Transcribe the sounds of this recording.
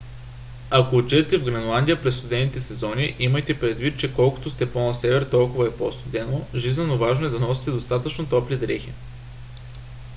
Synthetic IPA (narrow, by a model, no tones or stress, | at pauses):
akoːt͡ʃɛɛt̪ɛvɡɾɐnlˠand̪ʲijəpɾɛsːt̪ud̪ɛnit̪ɛsɛzɔniʔimɐjt̪ɛpɾɛd̪vit̪̚t͡ʃɛkɔlˠko̥t̪ost̪ɛpˠɔnɐsɛvɛɾt̪ɔlˠkʊvɐɛpo̰st̪ud̪ɛnoʒiznɛnovaʒnoɛd̪ɐnɔsi̥t̪ɛd̪ost̪at̪ət͡ʃnot̪ɔplid̪ɾɛxi